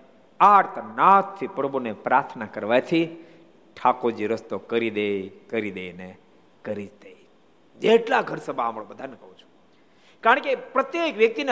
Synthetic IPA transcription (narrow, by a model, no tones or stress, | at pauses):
aɾt̪nat̪t̪ʰːipɾəbunepɾaɾt̪ʰnakəɾʋajt̪ʰi | ʈʰakod͡ʒiɾəst̪okəɾid̪ekəɾid̪eine | kəɾid͡ʒd̪ej | d͡ʒeʈlaɡʱəɾsəbʱaːmɭobəd̪ʱanəkəɦũt͡ʃʰu̥ | kaɾə̃ɳkepɾət̪jekʋjək̚t̪in